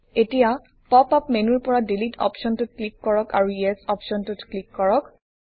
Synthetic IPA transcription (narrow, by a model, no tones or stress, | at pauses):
etija | pɔpapmenuɹpɔɹadilitʰɔ̰pʃɔntʊt̚klikːɔɹɔkaɹujesɔpʃɔntʊtklikːɔɹɔk